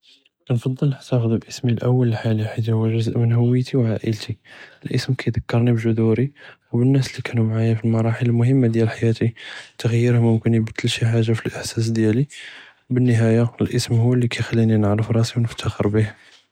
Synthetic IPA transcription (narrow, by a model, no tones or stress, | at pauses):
nfɑd̪ˤːəlnəʕt̪axəd̪ubʔəsmilʔəwːələlħaliħat̪ihʊwːʒʊzəʔmənɦʊwːəjt̪ʰiwʕaʔə̰lt̪ʰiəlʔəsmkʰæjd̪əkːɑɾˤnibʒʊd̪uɾiwbənːæslikænumʕajæfilmɑɾˤɑħələlmʊhəmːad̪jælħajæt̪it̪ːəɣəjːəɾhmʊmkənibt̪ʰːəlʃiħaʒːafilʔəħsæs̬d̪jæli | bənːəɦæjaəlʔəsmhuwːəlːikæjxælːininəʕɾəfɾˤɑsiwnəft̪ʰːaxəɾbih